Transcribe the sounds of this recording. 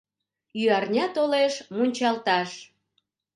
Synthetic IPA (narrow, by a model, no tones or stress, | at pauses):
yɑrnʲɑt̪oleʃmunʲt͡ɕɑlt̪ɑʃ